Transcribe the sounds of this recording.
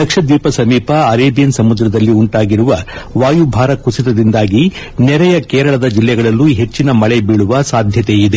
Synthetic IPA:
d̪ɐkʂɐd̪iːpɐsɐmiːpɐɐɾeːbijɐnsɐmud̪ɾɐd̪ɐlːiuɳʈaːɡiɾuʋɐʋaːjubʱaːɾɐkusit̪ɐd̪ind̪aːɡi | nɛɾɛjɐkeːɾɐɭɐd̪ɐd͡ʒilːɛɡɐɭɐlːuɦe̞t͡ʃːinɐmɐɭebiːɭuʋɐsaːd̪ʱjɐt̪e̞id̪e

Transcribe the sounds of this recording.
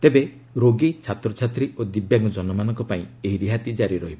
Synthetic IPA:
t̪ebe | ɾoɡit͡ʃʰat̪ɾɔt͡ʃʰat̪ɾiod̪ibjaŋɡɔd͡ʒɔnɔmanɔŋkɔpaĩeɦiɾiɦat̪id͡ʒaɾiɾɔɦibɔ

